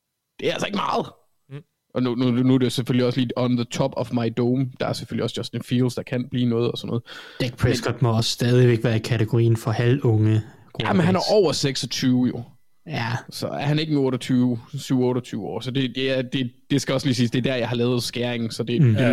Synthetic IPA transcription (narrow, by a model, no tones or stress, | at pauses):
d̥e̝æælsɒe̝ɡ̥əmɑ̈ːð̩ˠ | ʔɒ̽nununuædeo̝seføliɒsliːɒnðət͡sʰɒ̽b̥ɒfmɑ̈ɪd̥oːmd̥ɑ̈æɐseføliɒsd̥ɒ̽senfiːlsd̥ɑ̈kʰæn̰b̥liːnɔ̽ːð̞̩ˠɒ̽snːɔ̽ð̩ˠd̥eɡ̥pʰʁɛsɡkʰɒd̥mɔɒssːd̥ɛð̞ˠiʋeɡ̥ʋæːɐikʰæt͡sʰeɡ̥oʁḭːn̩fɒ̽hælɔ̽ŋə | ɡ̥ʁoæmenɦænæɐʔɒʊ̰ɐseɡ̥sɒ̽t͡sʰyːʊjo̝ | jæsɒ̽æɐhæne̝ɡ̥ənɔ̽ːɾɐt͡sʰyʊsyʊ̰ɔ̽ːɾɐt͡sʰyːʊɒ̰ːsɒ̽d̥e̝ded̥e̝d̥e̝sɡ̥æɒ̽sliːsiːsd̥e̝æd̥æɐjɑ̈ɪhɑ̈lɛːʊð̞̩ˠsɡ̥æːɐeŋn̩sɒ̽d̥e̝d̥e